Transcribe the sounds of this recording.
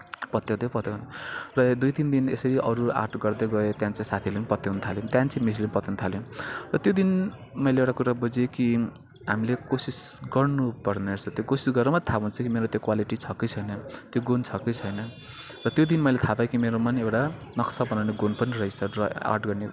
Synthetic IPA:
pʌt̪jowd̪epʌt̪jenrʌd̪ujt̪ind̪inesʌɾiʔʌɾua̰rʈɡʌrd̪ʌɡʌet̪jãnt͡saĩsat̪ʰilenipʌt̪jownut̪ʰaljõt̪jãnt͡sĩmislimpʌt̪onut̪ʰaljõrʌt̪jod̪in | mʌjleewʈakuɾabud͡zeki | ɦamilekosisɡʌrnupʌrneet͡sʰʌt̪jokosisɡʌrʌmat̪ʰaɦunt͡sʰʌkimeɾot̪jokwaliʈit͡sʰʌkʌjt͡sʰʌjnʌt̪joɡont͡sʰʌkʌjt͡sʰʌjnʌ | rʌt̪jod̪inmʌjlet̪ʰapajkimeɾomʌnewʈa | nʌksabʌnawneɡonpʌnirʌjsʌrʌa̰rʈɡʌrne

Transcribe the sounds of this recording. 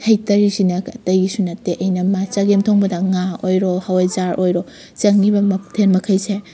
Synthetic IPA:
hɐjtɐɾisinɐkɐtɐjisunɐteʔɐjnɐmat͡ʃɐɡemtʰoŋbɐdɐŋaojɾɔhawajzaɾʔojɾo | t͡ʃɐŋnibɐmtʰenmɐkʰɐjse

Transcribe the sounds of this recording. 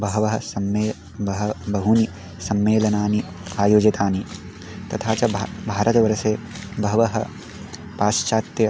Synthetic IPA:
bɐɦɐʋɐɦɐ̆sɐmːeː | bɐɦɐbɐɦuni | sɐmːeːlɐnaːni | aːjoːd͡ʒɐt̪aːni | t̪ɐt̪ʰaːt͡ʃɐbbʱaːɾɐt̪ɐʋɐɾɐseː | bɐɦɐʋɐɦɐ̰ | paːʃt͡ʃaːt̪jɐ

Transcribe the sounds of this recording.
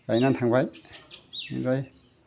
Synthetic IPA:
kajnantʰaŋbaj | zaj

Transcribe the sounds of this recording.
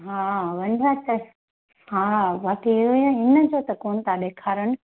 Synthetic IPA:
ɦaːʋɐnɾaːt̪ɐ | haːʋaːkeɦujõɪnə̆d͡ʑoːt̪ɐkoːnt̪ʰaɗ̪eːkʰaːɾənɪ̆

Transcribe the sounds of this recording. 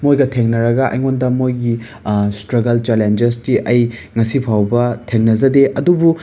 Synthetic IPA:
mojɡɐtʰeŋnɐɾɐɡɐʔɐ̰jŋondɐmojɡi | stɾɐɡɐlt͡ʃelend͡ʒestiʔɐjŋɐsipʰawbɐtʰeŋnɐzɐdeʔɐdubu

